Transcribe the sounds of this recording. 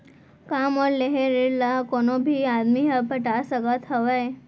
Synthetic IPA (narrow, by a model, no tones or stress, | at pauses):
kamɔɾleɦeɾeɾlakonobʱiad̪miɦəpəʈasəɡat̪ʰɦəʋəj